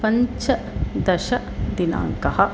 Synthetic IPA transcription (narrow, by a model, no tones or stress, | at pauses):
pɐɲt͡ʃɐ | d̪ɐʃɐ | d̪ina̰ːŋkɐɦɐ̆